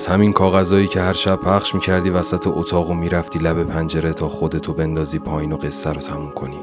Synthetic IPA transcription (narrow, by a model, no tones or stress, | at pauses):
z̥hæminkʰɒːɣæzɒːjiːcʰehæɾʃæb̥pʰæχʃmiːcʰæɾd̪iːvæsæt̪ʰeʔot̪ʰɒːɣomiːɾæft̪iːlæbe̞pʰænd͡ʒe̞ɾe̞t̪ʰɒːxo̞d̪e̞t̪ʰobe̞nd̪ɒːziːpʰɒːjiːno̞ɣe̞sːæɾot̪ʰæmumkʰo̞niː